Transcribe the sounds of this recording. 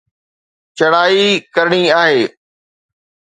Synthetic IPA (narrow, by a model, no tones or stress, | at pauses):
t͡ɕɐɽaːikɐɾɳ̃iaːɦeː